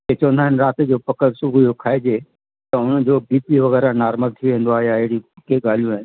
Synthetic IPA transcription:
ket͡ɕoːnaːɦɪnɾaːt̪d͡ʑoːpɐkəɾsʊbʱujokʰaːed͡ʑeː | t̪ɐʊn̤əd͡ʑoːbiːpiʋɐɣɛːɾanaːɾməlt̪ʰiʋẽːn̆d̪oaːɦijaɪɦɪɽiɪkeɡaːl̤ijũaːɦɪn

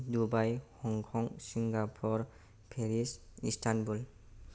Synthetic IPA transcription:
dubajhɔŋkʰɔŋsiŋɡapʰɔɾ | pʰeɾisistʰanbul

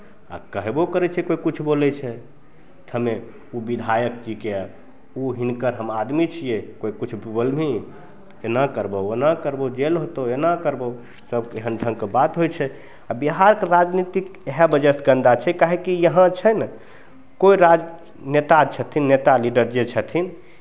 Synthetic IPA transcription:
a̰kəɦebokəɾɛt͡ʃʰɛkoikut͡ʃʰbolɛt͡ʃʰɛ | t̪ʰəme | ubid̪ʱajəkkike | uɦinkəɾɦəmad̪mit͡ʃʰijekoikut͡ʃʰbbolmi | enəkəɾbəonəkəɾbod͡ʒelɦot̪oenəkəɾbo | səbeɦənd͡ʒ̪ʱə̃ŋkebat̪ɦojt͡ʃʰɛ | abiɦaɾkeɾad͡ʒnit̪ikeɦɛbəd͡ʒəsɡə̃nd̪at͡ʃʰɛkaɦekijəɦãt͡ʃʰənə | koiɾad͡ʒ | net̪at͡ʃʰət̪ʰinːet̪aliɖəɾd͡ʒet͡ʃʰət̪ʰin

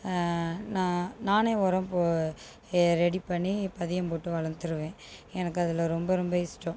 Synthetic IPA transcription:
nãːnaːneːɔɾɐ̃mpo | ɾɛɽipɐɳːipːɐðɪjɐmpoːʈːɯʋɐɭɐnd̪ɯɾɯʋẽː | ɛnɐkːɯɐðɪlɐɾɔmbɐɾɔmbɐɪsʈːɐ̃

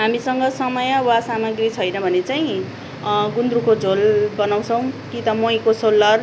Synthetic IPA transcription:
ɦamisʌŋɡʌsʌmʌjʌwasamʌɡrit͡sʰʌjnʌbʱʌnet͡saĩ | ɡund̪ɾukod͡zolbʌnaw̃t͡sʰʌw̃kit̪ʌmʌj̃kosolːʌr

